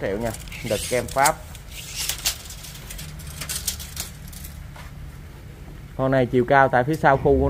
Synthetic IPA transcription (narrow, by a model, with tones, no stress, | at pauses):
tɛ̰˧˩˨wɲa˧˩ɗɨ˨˩k̚kɛ˧mfaː˦˥p̚ | kɔ˧na˧˩jt͡ɕḭ˨˧˨wkaː˧wt̪a̰ː˧˨jfi˨˦saː˧wxo˧ku˧˦